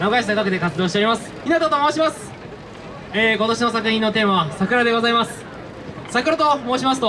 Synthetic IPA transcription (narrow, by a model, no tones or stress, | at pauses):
naɡaiɕinaɡakɯd̪e̞kat͡sɨd̪o̞ːɕit̪eɾʲimasɨ̥inat̪ot̪oːmaoɕ̬imasɨ̥ | eːko̞t̪o̞ɕino̞sakɯ̟çĩnːo̞t̪e̞ːmaβasakɯ̟ɾad̪e̞ɡo̞zaimasɨ̥ | sakɯɾat̪o̞mo̞ːɕimasɨ̥t̪o